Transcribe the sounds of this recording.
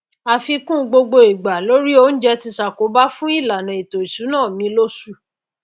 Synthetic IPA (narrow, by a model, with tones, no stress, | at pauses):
a˧fi˧kũ˦˧ɡ͡bo˧ɡ͡bo˧i˨ɡ͡ba˨lo˦ɾi˦o˦n̩˦d͡ʒɛ˧ti˧sa˨ko˨˦ba˦fũ˦i˦˨la˨nã˨i˨to˨i˨su˨˦nãː˦˨mĩ˧˦lo˦su˦˨